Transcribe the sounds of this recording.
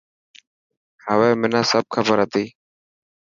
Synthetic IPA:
həʋeːmɪnãːsəb̚kʰəbəɾɦət̪iː

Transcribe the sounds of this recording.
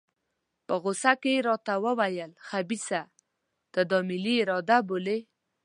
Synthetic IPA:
pəɣʊsakeɾɑt̪awəwajəlxabisa | d̪̥əd̪ɑmɪliɪɾɑd̪abole

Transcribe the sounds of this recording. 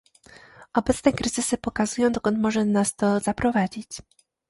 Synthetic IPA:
ʔɔbɛt̪snɛkɾɘzɘsɘpɔkazujɔ̃w̃d̪ɔkɔnt̪mɔʐɛnast̪ɔzapɾɔvad͡ʑit͡ɕ

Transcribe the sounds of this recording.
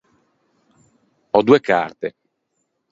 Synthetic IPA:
ɔd̪uːeka̰rt̪e

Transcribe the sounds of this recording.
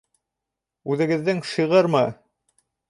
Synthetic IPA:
ʉðɘ̆ɡɘ̆ðːɘŋʃɤ̆ʁɤɾmɤ

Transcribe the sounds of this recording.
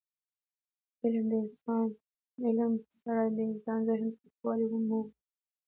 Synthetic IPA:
ɪlmd̪əɪnsɑn | ɪlmsaɾad̪əɪnsɑnzɪhnkixwɑliwumuw

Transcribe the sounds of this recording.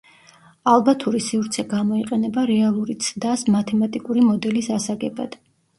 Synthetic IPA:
alˠbat̪ʰuɾisivɾt̪sʰɛɡamɔiqʼɛnɛbaɾɛalˠuɾit̪sʰd̪asmat̪ʰɛmat̪ʼikʼuɾimɔd̪ɛlisasaɡɛba̰d̪̥

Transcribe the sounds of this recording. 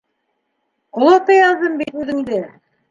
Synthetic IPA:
qŏlˠŏt̪ɤjɑzɤmbit̪ʉðɘ̆d̪ɘ

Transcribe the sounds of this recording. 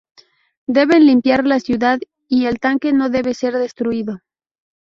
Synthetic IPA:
d̪e̞βe̞nlimpjaɾlasjuðað | ie̞lt̪aŋke̞no̞ðe̞βe̞se̞ɾðe̞st̪ɾuiðo

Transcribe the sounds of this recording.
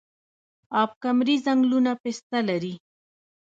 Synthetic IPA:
ap̚kamɾɪzaŋlʊnapest̪alaɾi

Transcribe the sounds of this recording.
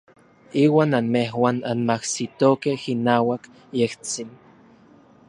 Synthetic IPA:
iːwaːnanmeɦwaːnanmahsit̪okehinaːwak | jeht͡sin

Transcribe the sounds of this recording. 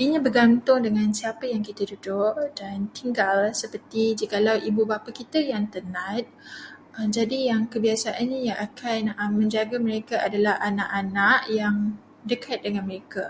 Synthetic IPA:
iɲĩbəɡant̪ʊŋdəŋãnsiapajaŋkit̪adudʊʔdant̪iŋɡalsəpərt̪id͡ʒikalawʔibubapakit̪ajaŋt̪ənãt̪̚ | əmd͡ʒadijaŋkəbiasaʔanɲãjaŋʔakʰanəmmə̃ɲd͡ʒaɡaməɾekaʔadalahʔanaʔanaʔjaŋ | dəkʰat̪̚dəŋãnməɾeka

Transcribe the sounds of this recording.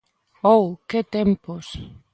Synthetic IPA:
owket̪empos

